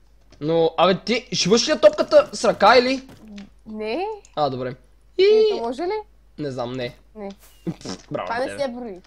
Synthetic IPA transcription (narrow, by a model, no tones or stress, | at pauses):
noɐvɛt̪iʒivəʃliɐt̪ɔp̚kət̪əsɾɐkaili | nɛad̪obɾɛ | imɔʒɛlɛ | nɛznamnɛ | nɛ | bɾa̰v̰anɛsɛbɾoi